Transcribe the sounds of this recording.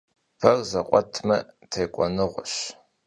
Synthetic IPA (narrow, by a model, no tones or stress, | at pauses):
pʰɐrzɐqʷʼɔtʰmɐ | tʰeːkʷʼɔnɨʁʷʊɕ